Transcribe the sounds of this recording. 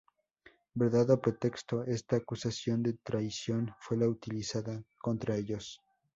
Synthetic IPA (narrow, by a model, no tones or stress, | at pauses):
beɾðaðopɾe̞t̪e̞kst̪o̞e̞st̪aːkusasjo̞nd̪e̞t̪ɾajsjo̞nfwe̞laut̪ilisaðako̞nt̪ɾaeʎo̞s